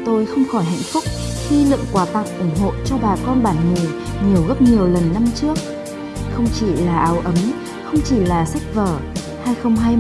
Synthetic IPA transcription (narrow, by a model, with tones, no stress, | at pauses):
t̪o˧jxə˧wŋ͡mxɔ˧˩jɦa̰˧˨jŋ̟fʊ˦˥k͡p̚xi˧lɨ̰˧˨əŋkwaː˨˦t̪a˨˩k̚ʔʊ˧˩ŋ͡mɦo̰˧˨t͡ɕɔ˧ɓaː˨˩kɔ˧nɓaː˧˩nŋi˨˩ɲi˨˩əwɣə˦˥p̚ɲi˨˩əwlə˨˩nːa˧mt͡ɕɨ˦˥ək̚ | xə˧wŋ͡mt͡ɕi˧˩laː˨˩ʔaː˨˦wʔə˨˦m | xə˧wŋ͡mt͡ɕi˧˩laː˨˩sa˦˥k̚vəː˧˩ | haː˧jxə˧wŋ͡mɦaː˧j